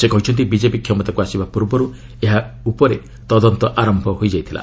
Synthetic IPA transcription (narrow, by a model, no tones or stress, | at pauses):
sekɔɦut͡ʃʰɔnt̪̬ibid͡ʒepikʰjɔmɔt̪akuasibapuɾbɔɾu | eɦaupɔɾe | t̪ɔd̪ɔnt̪ɔʔaɾɔmbʱɔɦojd͡ʒajt̪ʰila̰